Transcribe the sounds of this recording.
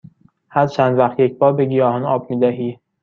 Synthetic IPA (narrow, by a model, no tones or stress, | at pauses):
hæɾt͡ʃʰænd̪væxt̪jec̚ʰbɒːɾbeɡijɒːhɒnɒːb̚miːd̪æɦiː